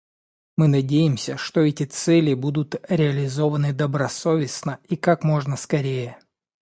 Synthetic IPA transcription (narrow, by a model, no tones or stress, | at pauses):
mɨnɐdʲejɪmsʲəʂt̪o̞ɛtʲɪt̪sɛlʲɪbud̪ʊt̪ɾʲɪɐlʲɪzo̞vənɨd̪əbɾɐso̞vʲɪsnəikakmo̞ʐnəskɐɾʲejə